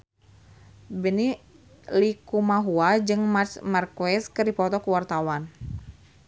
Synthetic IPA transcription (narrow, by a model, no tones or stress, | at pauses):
bəni | likumaɦuad͡ʒɨŋmat͡ʃmarkuɛskəɾipɔt̪ɔkəwart̪awan